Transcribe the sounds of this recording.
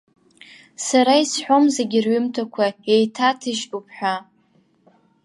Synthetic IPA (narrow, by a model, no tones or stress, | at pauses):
saɾaisħʷomzeɡʲɪrɥʏmtʰakʷʰaejtʰatʰɨʃupʰħʷᶣa